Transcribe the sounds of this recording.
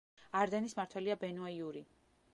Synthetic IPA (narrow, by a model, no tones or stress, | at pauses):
aɾd̪ɛnismaɾt̪ʰwɛliabɛnuaiuɾi